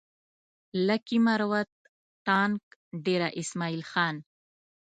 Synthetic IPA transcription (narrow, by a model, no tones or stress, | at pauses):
lakimaɾwat̪̚ː | ɑːŋkɖeɾaʔɪsmɑːilxɑːn